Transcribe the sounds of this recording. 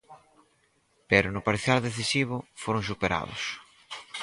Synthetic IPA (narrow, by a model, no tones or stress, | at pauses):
peɾʊnʊpaɾθjaldeθisiβ̞ʊfoɾʊŋs̬upeɾa̰ðʊ̰s